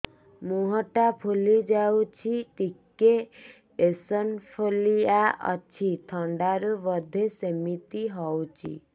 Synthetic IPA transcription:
muɦɔʈapʰulid͡ʒawt͡ʃʰiʈike | esɔnpʰoliaʔɔ̰t͡ʃʰit̪ʰɔɳɖaɾuβɔd̪ʱesemit̪iɦɔwt͡ʃʰḭ

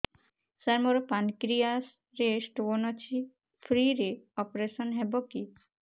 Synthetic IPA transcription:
saɾmoɾopankɾias | ɾesʈonɔt͡ɕʰi | fʰɾiɾeɔpɾeʃɔnɦɛboki

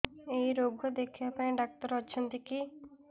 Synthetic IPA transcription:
ejɾoɡʱɔd̪ekʰibapaẽɖak̚t̪ɔɾɔt͡ʃʰɔnt̪iki

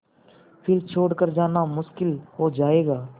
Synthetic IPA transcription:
pʰɪɾt͡ʃʰoːɽkəɾd͡ʒaːnamʊʃkɪlɦoːd͡ʒaːeːɡaː

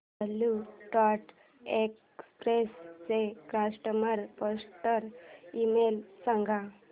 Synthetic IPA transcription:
əlːuʈɔʈ | ek | spɾest͡sekɾasʈəməɾpɔsʈəɾimelsãŋɡʱa

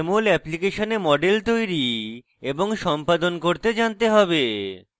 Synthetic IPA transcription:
molɛplikeʃonemɔɖelt̪ojɾi | eboŋʃɔmpad̪onkoɾt̪ed͡ʑant̪eɦɔbe

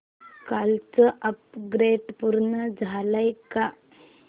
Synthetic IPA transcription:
kalt͡səʔəpɡɾeɖpuɾɳəd͡zʱaləjka

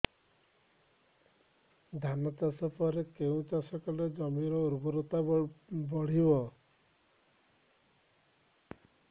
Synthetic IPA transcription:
d̪ʱanɔt̪asɔpɔɾekeũt͡ʃasɔkɔled͡ʒɔmiɾɔuɾbɔɾot̪abɔɽ̤ibɔ

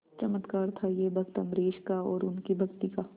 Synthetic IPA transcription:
t͡ʃɐmət̪kaːɾt̪ʰajebʱɐɡt̪əmɾeːʃkaɔːɾʊnkibʱɐɡt̪ika

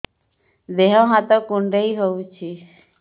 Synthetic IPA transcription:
d̪eɦɔ̃ɦãt̪ɔkũɳɖeiɦout͡ʃʰi

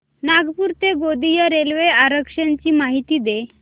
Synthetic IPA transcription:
naɡpuːɾt̪eɡod̪ijəɾelʋeaɾəkʂaɲt͡ɕiːmaɦit̪iːd̪e

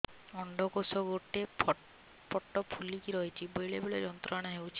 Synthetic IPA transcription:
ɔɳɖɔkosɔɡoʈe | pɔʈːɔpʰulikiɾɔɦit͡ʃʰibɔjɭebeɭed͡ʒɔnt̪ɾɔaɽ̃aɦewt͡ʃʰi̥

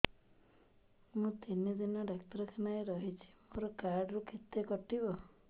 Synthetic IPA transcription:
mũt̪inid̪inɔɖak̚t̪ɔɾɔkʰenajɾɔɦit͡ʃʰi̥moɾɔkaɾɖɾukʰet̪jekɔʈibɔ

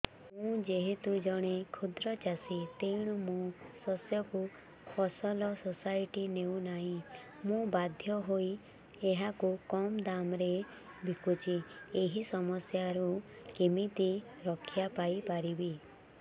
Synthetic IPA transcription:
mũd͡ʒeɦet̪ud͡ʒɔɽ̃ekʰud̪ɾɔt͡ʃasit̪eɽ̃umũsɔsjɔku | kʰɔsɔlɔsɔsajiʈineũnaɦĩ | mũbad̪ʱjɔɦoi | eɦakukɔmd̪amɾe | bʱikut͡ʃʰieɦisɔmɔsjaɾu | kemit̪i | ɾɔkʰijapajpaɾibi

